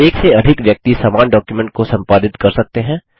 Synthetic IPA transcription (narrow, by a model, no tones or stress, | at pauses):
eːkseɐd̪ʱɪkʋjɐk̚t̪isaːmaːnɖɔːkjumɛ̃ɳʈ̚kosɐ̃mpaːd̪ɪt̪kɐɾsɐk̚t̪eɦɛ̃ː